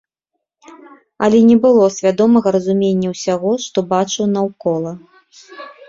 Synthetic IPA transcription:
ɐlʲɛnʲɛbɨlˠɔsʲvʲad̪ɔmɐɣɐɾɐzumʲenʲːɐwsʲaɣɔʂt̪ɔbat͡ʂɨwnɐwkɔlˠɐ

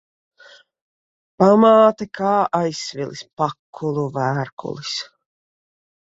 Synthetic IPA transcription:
pamaːt̪akʰaːajsvilˠispakʰːulˠuvæːɾkṵlˠis

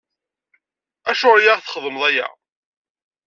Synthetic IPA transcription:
æʃʊɾjaʁθχəðˤəmðˤæjæ̰

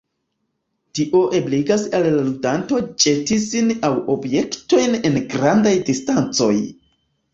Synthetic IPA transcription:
tiʔo̞ʔebliɡasalːaludanto̞t͡ʃe̞tisinawo̞bje̞kto̞jne̞nɡɾandajdistant͡so̞j

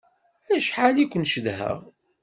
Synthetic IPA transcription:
æʃħalikʷːənʃəðhə̰ʁ

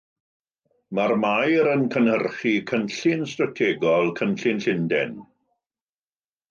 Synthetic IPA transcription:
marmajɾənkʰənhərχikʰənɬɪnstratʰeːɡɔlˠkʰənɬɪnɬɪndɛ̰n

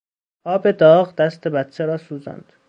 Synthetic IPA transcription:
ɒːbed̪ɒːɣd̪æst̪ʰebæt̪t͡ʃʰeɾɒːsuːzæ̰nd̪̥

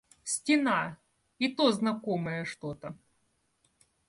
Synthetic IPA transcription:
sʲtʲɪna | it̪oznɐkoməjəʂt̪ot̪ə

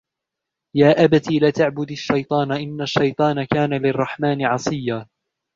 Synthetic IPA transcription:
jaːʔabat̪iːlat̪aʕbʊd̪aʃːɑjt̪ˤɑːnaʔɪnːaʃːɑjt̪ˤɑːnakaːnalɪrˤːɑħmaːnɪʕɑsˤɨjːaː

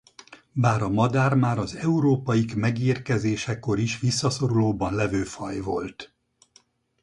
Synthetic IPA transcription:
baːɾɒmɒd̪aːrmaːɾɒzɛuɾoːpɒjikmɛɡiːrkɛzeːʃɛkːo̞ɾiʃʋisːɒso̞ɾuloːbɒnlɛvøːfɒjvo̞lt̪

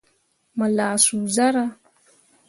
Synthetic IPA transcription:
malasuzaɾa

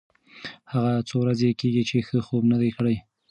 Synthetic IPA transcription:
haɣat͡sowɾazekeɡit͡ʃexəxobnad̪ajkɽaj

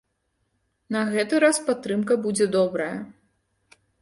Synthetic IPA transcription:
nɐɣɛt̪ɨɾaspat̪ːɾɨmkɐbud͡zʲɛd̪ɔbɾɐjɐ

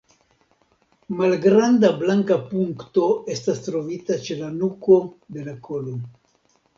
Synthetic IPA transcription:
malɡɾandablaŋkapuŋkto̞e̞stastɾo̞vitat͡ʃe̞lanuko̞d̪e̞lakʰo̞lo

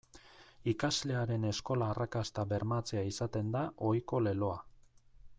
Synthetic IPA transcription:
ikazle̞aɾe̞ne̞sko̞laːrʔakast̪aβe̞ɾmat͡se̞aisat̪e̞nd̪aʔo̞jko̞le̞lo̞a

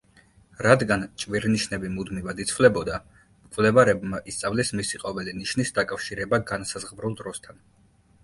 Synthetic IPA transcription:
ɾad̪ɡant͡ʃʼviɾniʃnɛbimud̪mivad̪it̪sʰvlɛbɔd̪a | mkʼvlɛvaɾɛbmaʔist̪sʼavlismisiqʼɔvɛliniʃnisd̪akʼafʃiɾɛbaɡansazʁbɾulˠd̪ɾɔst̪ʰan

